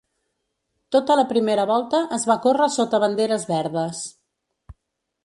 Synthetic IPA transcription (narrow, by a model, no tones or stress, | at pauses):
t̪ot̪ələpɾimeɾəβɔlˠt̪əʔəzβakorəsot̪əβənd̪eɾəzβɛɾðəs